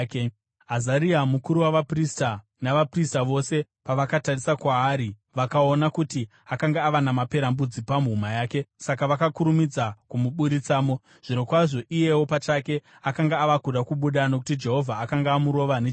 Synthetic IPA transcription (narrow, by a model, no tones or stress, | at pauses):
k | ɦazaɾiamukuɾuwaʋaprista | naʋapristaʋo̞se̞ | paʋakatarisakwaːɾi | ʋakaonakuti | akaŋɡaːʋanamape̞ɾambud͡zipamuɦumajaːke̞sakaʋakakuɾumid͡zakumuɓuɾit͡saːmo | ʐ̥ino̞kwaʐo̞ʔije̞wo̞pat͡ʃake̞ | akaŋɡaːʋakuɗakuɓuɗano̞k̬u̥tid͡ʒe̞ɦo̞vʱaːkaŋɡaːmuɾo̞ʋane